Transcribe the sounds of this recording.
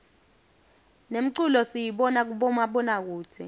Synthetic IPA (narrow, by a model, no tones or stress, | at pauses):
nem̩ǀulɔsijiɓɔnak̬uɓɔmaɓɔnak̬uːtʰɛ̰